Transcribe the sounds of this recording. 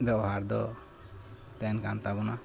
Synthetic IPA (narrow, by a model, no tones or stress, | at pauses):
bɛɔɦaɾd̪ɔ̰ | t̪ɛnkant̪abɔna